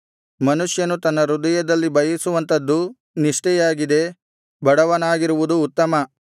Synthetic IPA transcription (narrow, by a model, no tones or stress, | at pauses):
mɐnuʂjɐnut̪ɐnːɐɾud̪ɐjɐd̪ɐlːibɐjɐsuʋɐnt̪ɐd̪ːu | niʂʈɛjaːɡid̪e̞ | bɐɽɐʋɐnaːɡiɾuʋud̪uːt̪ːɐmɐ